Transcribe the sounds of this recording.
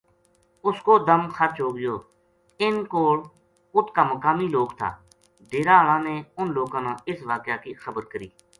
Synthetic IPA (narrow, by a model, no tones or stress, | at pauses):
ʊskoːd̪əmxəɾt͡ʃɦoːɡɪjoː | ɪnkoːl | ʊt̪kaːməkaːmiːloːkt̪ʰa̰ː | ɖeːɾaːəlãːneːʊnloːkãːnãːɪsʋaːkjaːkiːxəbəɾkəɾiː